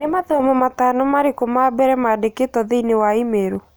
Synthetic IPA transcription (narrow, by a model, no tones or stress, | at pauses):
nemaðɛmɔmatanomaɾekomabɛɾɛmaːdeketɔðeinewaimeɾo